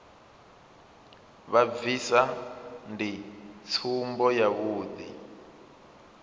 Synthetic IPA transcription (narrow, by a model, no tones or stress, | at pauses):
βabvisandit͡sʰumbɔjaβuːd̪ḭ